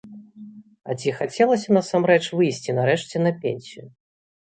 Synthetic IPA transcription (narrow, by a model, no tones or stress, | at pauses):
ɐt͡sʲixat͡sʲɛlˠɐsʲɐnɐsamɾɛt͡ʂvɨjsʲt͡sʲinaɾɛʂt͡sʲɛnɐpʲḛnʲsʲiju